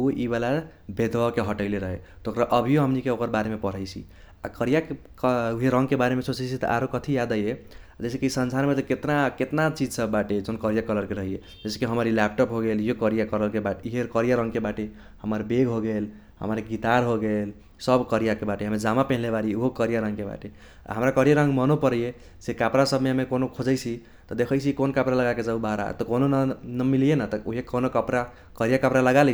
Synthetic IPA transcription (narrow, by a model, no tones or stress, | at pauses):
oibala | bed̪ʋəkeɦəʈəɪleɾəɦet̪okɾaʔəbʱijoɦəmnikeokəɾbaɾemepəɾ̤əjt͡ʃʰḭ | a̰kəɾija | uɦeɾəŋɡkebaɾemesot͡ʃet͡ʃʰit̪ə̰ʔa̰ɾokət̪ʰijad̪əje | d͡ʒesekisənsaɾmet̪ɔket̪naket̪nat͡ʃid͡ʒsəbːaʈed͡ʒonkəɾijakələɾkeɾəɦije | d͡ʒese̥kiɦəməɾilɛp̚ʈopɦoɡeljokəɾijakəɾəlkebaʈiɦekəɾijaɾə̃ŋɡkebaʈe | həməɾbeɡɦoɡel | hə̰məɾeɡit̪aɾɦoɡel | səbkəɾijakebaʈeɦəmed͡ʒamapɛ̃ɦlebaɾiuɦokəɾijaɾə̃ŋɡkeba̰ʈḛ | ɦəmɾakəɾijaɾə̃ŋɡmənopəɾje | sekapɾasəbʱmeɦəmekonokʰod͡ʒəɪt͡ʃʰi | t̪ɔd̪ekʰəɪt͡ʃʰikonkapɾaləɡaked͡ʒaubaɾa̰t̪ɔkononnəmilijenat̪ɔuɦekonokəpɾa | kəɾijakəpɾaləɡalɛ